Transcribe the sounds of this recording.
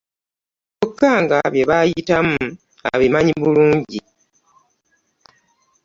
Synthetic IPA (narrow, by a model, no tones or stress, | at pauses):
okːaːŋɡaβje̞βajitamu | a̰βimaɲiβuluːɲɟi